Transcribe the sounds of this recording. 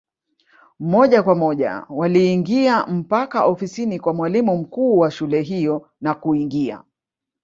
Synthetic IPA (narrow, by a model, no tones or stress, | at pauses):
mɔʄakwamɔʄa̰waliːŋɡiam̩pakaʔɔfisinikwamwalimum̩kuːwaʃulɛɦijɔ | nakuiŋɡia̰